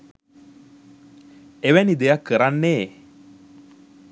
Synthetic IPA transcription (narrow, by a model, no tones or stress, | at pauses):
eʋɛnid̪ejakːəɾanːe